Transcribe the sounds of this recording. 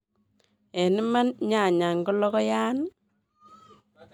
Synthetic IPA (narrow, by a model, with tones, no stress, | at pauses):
e˨ni˦ma˦nɲa˦˨ɲa˨ŋɡɔ˦lɔ˦kɔ˦jaː˦n